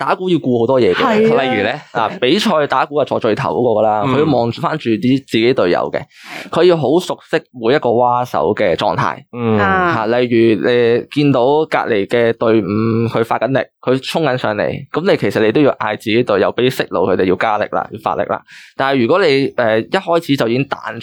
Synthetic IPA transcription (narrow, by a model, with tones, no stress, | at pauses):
t̪aː˨˥kuː˨˥jiː˧wkuː˧ho˨˥wt̪ɔː˥jɛː˨˧kɛ˧˨lɐ˨jjyː˨˩lɛ˥laː˨˩pe˨˥jt͡ʃʰɔː˧jt̪aː˨˥kuː˧˥aː˨t͡ʃɔː˧t͡ʃɵ˧ɥt̪ʰɐ˨˩wkɔː˨˥kɔː˧kə˧laː˥kkʰɵ˧jiː˧wmɔː˨˩ŋt͡ʃfaː˥nt͡ʃyː˨˩t̪iː˥t͡siː˨ke˨˥jt̪ɵ˨ɥjɐ̰˨˧˥wkɛ̰˧ | kʰɵ˨˧jiː˧wɦo˨˥wsʊ˨k̚sɪ˥k̚muː˨˧jɐt̚kɔː˧waː˥sɐ̰˨˥wkɛː˧t͡ʃɔ̰ː˧ŋt̪ʰa̰ː˧˥jhaː˨˩lɐ˨˩jjyː˨˩le˨˧kiː˧nt̪o˨˥wka̰ː˧t̚le˨˩jkɛː˧t̪ɵ˧ɥm̩˨˧kʰɵ˨˧faː˧t̚kɐ˨˥nlɪ̰˨˩k̚kʰɵ˨˧ɥt͡ʃʰʊ˥ŋkɐ˨˥nsœ̰ː˨˧ŋlḛ˨˩jkɐ˨˥mne˧jkʰe˨˩jsɐ˨t̚le˧t̪o˥wjiː˧wʔaː˧jt͡siː˨ke˨˥jt̪ɵ˨ɥjɐ˨˥wpe˨˥sɪ˥k̚lo̰˨˧wkʰɵ˨˧t̪e˨jiː˧wkaː˥lɪ̰˨k̚la̰ː˧˩jiː˧wfa̰ː˧t̚lɪ̰˨k̚la̰ː˨t̪aː˨nhɐ˨˩jɥyː˨kɔː˨˥le˨˧jʔɛː˨jɐ˥t̚hɔː˥jt͡sʰiː˨˥t͡sɐ˨wjiː˨˧kɪ˥ŋt̪a̰ː˨˥n